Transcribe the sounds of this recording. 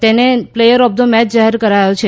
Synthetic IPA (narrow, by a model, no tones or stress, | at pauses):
t̪eneplejəɾɔb̚d̪omɛt͡ʃd͡ʒaɦeɾkəɾajot͡ʃʰe